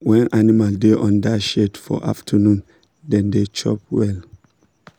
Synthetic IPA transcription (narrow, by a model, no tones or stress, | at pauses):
wɛ̃nʔanimaldeʔɔ̃ndaʃedfɔ̰ʔa̰ftʰənũn | dɛ̃ndet͡ʃɔ̰pwɛl